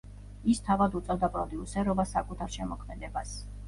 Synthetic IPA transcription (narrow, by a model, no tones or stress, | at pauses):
ist̪ʰavad̪ut̪sʼɔd̪apʼɾɔd̪iusɛɾɔbasakʼut̪ʰaɾʃɛmɔkʰmɛd̪ɛbas